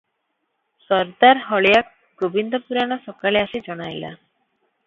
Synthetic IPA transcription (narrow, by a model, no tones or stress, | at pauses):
sɔɾd̪aɾɦɔɭejak̚ | ɡobind̪ɔpuɾanɔʃɔkaleaʃed͡ʒɔɽajla̰